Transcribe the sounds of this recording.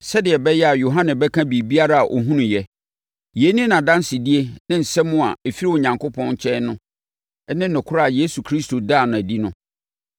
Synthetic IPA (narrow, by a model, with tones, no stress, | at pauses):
sɛ˦dɪ˨ɛ˨bɛ˦jɛ˦a˨jo˨ɦã˦nɪ̃˨bɛ˦kʰã˦bi˨bi˦a˦ɾa˦a˨ʔo̰˨ɦũ˦nʊ̃˨jɛ˦ | je˨˦nĩ˦nã˨dã˦n˦sɪ˨di˦e˦nɪ̃˦n̩˨sɛ˦mʊ̃˦a̰˨e˨fi˦ɾi˦wo˨ɲã˨ŋko˦pʰɔ̃˦n˨t͡ɕʰɛ̃˦nʊ̃˦ | nɪ̃˦n̩nʊ̃˨kʰʊ˦ɾa˦˨je˦su˨kʰɾi˦sto˨da˦˨nʊ̃˨æ˨di˦nʊ̃˦